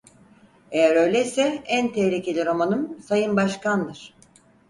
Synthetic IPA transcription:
e̞jæɾø̞jlʲejsɛænt̪ʰeːɾʲicʰelʲiɾo̞manɯmsajɯnbaʃkand̪ɯɾ̥

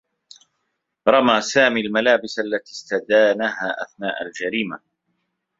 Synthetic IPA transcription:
ɾˤɑmaːsaːmiːlmalaːbɪsʔalːat̪iːst̪ad̪aːnaɦaːʔaθnaːʔald͡ʒaɾiːma

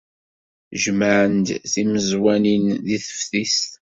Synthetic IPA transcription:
ʒməʕənd̪θiməzwæninðiθə̥fθist̪

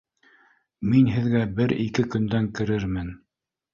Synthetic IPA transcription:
minɦɘ̆ðɡæbɘɾikɘkɵ̆nd̪æŋkɘ̆ɾɘɾmɘn

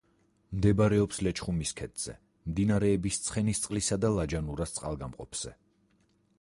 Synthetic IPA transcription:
md̪ɛbaɾɛɔpslɛt͡ʃʰχumiskʰɛt̪ʰz̥ɛ̰ | md̪inaɾɛːbist̪sʰχɛnist̪sʼlisad̪alˠad͡ʒanuɾast̪sʼqʼa̰lˠɡamqʼɔ̰pʰz̥ɛ̰

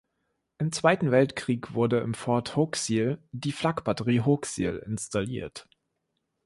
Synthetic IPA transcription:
ʔɪmt͡sv̥aɪtn̩vɛltkʁ̥iːkv̥ʊɐdəɪ̰mfɔɐthoksiːldiːflakb̥atəʁiːɦoksḭlɪ̰nstʰalḭːɐt

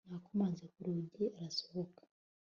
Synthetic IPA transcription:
n̥aːkomaːnzekuɾuːɟiaɾaso̥hokḁ

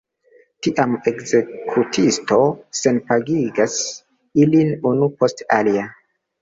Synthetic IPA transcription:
tiʔame̞kze̞kʰutʰisto̞se̞npaɡiɡas | ilinunupo̞stalia

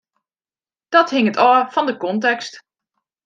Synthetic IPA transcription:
d̥ɔthɪŋətɔːfɔndəkɔntɛkst

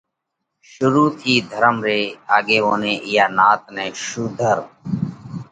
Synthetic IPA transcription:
ʃʊɾuːt̪ʰiːd̪ʱəɾəmɾeːaːɡeːʋoːnẽːʔɪjaːnaːt̪nɛ̃ːʃuːd̪ʱəɾ

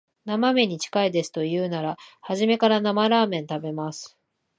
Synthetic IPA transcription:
namame̞ɲ̟it͡ɕi̥kaid̪e̞sɨ̥t̪o̞jɯ̟ːnaɾahaʑime̞kaɾanamaɾaːmẽ̞nt̪abe̞masɨ̥

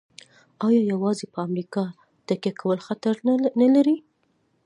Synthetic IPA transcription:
ɑjɑjawɑzepəamɾikɑ | t̪akjakawəlxat̪aɾnalaɾi

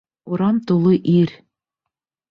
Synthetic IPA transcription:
uɾɑmt̪ulˠɤʔiɾ

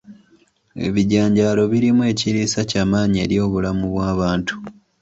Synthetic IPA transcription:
e̞̰βiɟaːɲɟaːlo̞βiɾimue̞ːciɾisacaːmaːɲie̞̰ːɾjo̞ːβulamuβwaːβaːntu̥

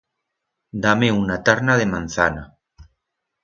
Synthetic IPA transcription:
d̪ameunat̪aɾnaðemãn̟θana

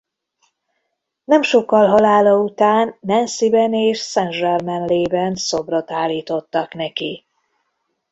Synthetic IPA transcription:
nɛmʃo̞kːɒlɦɒlaːlɒut̪aːnːɛnsibɛneːʃsɛnʒɛrmɛnleːbɛnsobro̞t̪aːlːiːt̪o̞t̪ːɒknɛki

